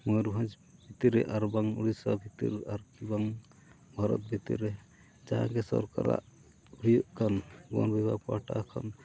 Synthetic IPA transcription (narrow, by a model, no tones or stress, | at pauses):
mɔjɾubʱãd͡ʒ | b̥ʱit̪iɾɛʔaɾbaŋuɾisabʱit̪ḭɾaɾkibaŋ | bʱaɾɔ̰t̪̚bʱit̪ḭɾɛ | d͡ʒaɦaŋkɛsɔ̰ɾkaɾa̰ʔ | uɾijɔʔkʰanɡɔnbibapaʈakʰan